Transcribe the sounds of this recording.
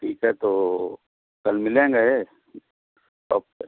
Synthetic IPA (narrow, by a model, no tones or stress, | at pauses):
ʈʰiːkɦɛt̪o | kɐlmɪlẽːŋɡaɦe | ɔ̰ːp̚e